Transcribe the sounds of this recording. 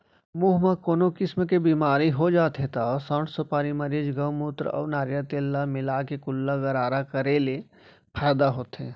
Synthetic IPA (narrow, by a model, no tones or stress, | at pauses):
muːɦmãkoːnokɪsmekebiːmaːɾiɦod͡ʒaːt̪ɦet̪asaːʈsɐpaːɾimɐɾed͡ʒɡəwmuːt̪ɾ̰ɔ̰ːnaːɾjat̪eːlːamɪlaːkekʊlːaɡɐɾaːɾakɐɾele | pʰaːd̪aɦoːt̪ẽː